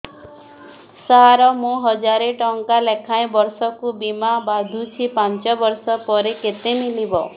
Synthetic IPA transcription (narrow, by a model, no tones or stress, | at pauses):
saɦaɾɔmũɦɔd͡ʒaɾeʈɔŋkalekʰaẽbɔɾsɔkubimabad̪ʱũt͡ʃʰipant͡ʃɔbɔɾsɔpɔɾeket̪emilibɔ